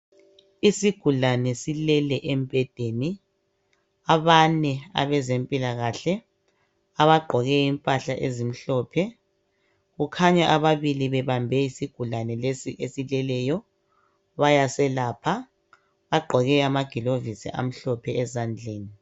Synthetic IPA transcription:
isiɡ̥ʱulanɛsilɛlɛʔem̩b̥ʱɛd̥ʱeni | aβanɛa̰βɛzempʼilaɣaɬɛ | aβaɡ͡ǃʱɔɣɛimpʼaɬaʔezim̩ɬɔpʰɛ | ɣukʰaɲaʔaβaβiliβɛβambʱɛisiɡ̥ʱulanɛlesiʔesilɛlɛjɔ | βajasɛlaːpʰa | βaɡ͡ǃʱɔɣɛamaɡ̥ʱilovisḭʔa̰m̩ɬɔpʰɛɛzand͡ɮʱeːni

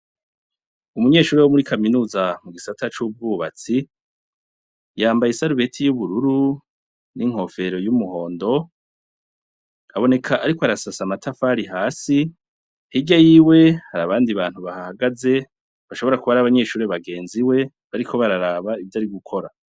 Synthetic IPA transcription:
umuɲe̞ːʃuːɾewomuɾikʰaminuːzamuɡisatʰat͡ʃub̚ɡuːβa̰t͡si | jaːmbajisaɾuβe̞tʰijuβuɾuɾu | niŋ̥ho̞fe̞ɾo̞jumuho̞ːndo̞ | aβo̞ne̞kʰaʔaɾikoaɾasasamatʰafaɾiɦaːsi | hiɟajiːwe̞haɾaβaːndiβaːn̥huβahahaɡaze̞ | βaʃo̞βo̞ɾakuβaɾaːβaɲe̞ːʃuːɾeβaɡe̞ːnziwe̞ | βaɾikʰo̞βaɾaɾaːβaivjaɾiɡukʰo̞ɾa

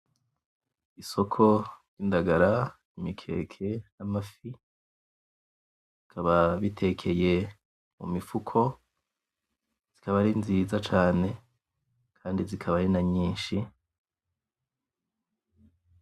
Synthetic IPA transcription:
iso̞kʰo̞ɾɟiːndaɡaɾa | imikʰe̞̰ːkʰe̞namafi | zikʰaβaβitʰe̞kʰe̞je̞ | mṵmifukʰo̞ | z̥ikaβaɾinziːzat͡ʃaːne̞ | kʰaːndizikʰaβaɾinaɲiːnʃi

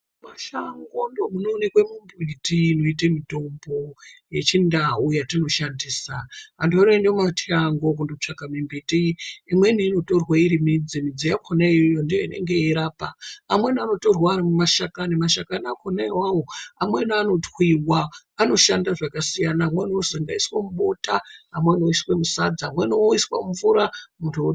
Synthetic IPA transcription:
maʃaŋɡondomuno̞ːnekwemimbitiːno̞itemito̞mbo̞je̞t͡ʃindaujatino̞ʃandiːsaa̰ndonendematʰiaŋɡo̞k̬undout͡ʂakamimbitiːmwe̞niːno̞to̞rwaiɾimid͡zimid͡zijakʰonaijojondijoinʔe̞̰ŋɡe̞iɾaːpaamwe̞nano̞to̞rwaːɾimumaʃakanimaʃakanakʰonaiwawo̞amwenano̞twiwa | ano̞ʃandaʐakasijanamweniozoŋɡaiswamuɓotaamwenoiswemusad͡zamwenioiswa̰muvuɾamuntʰuo

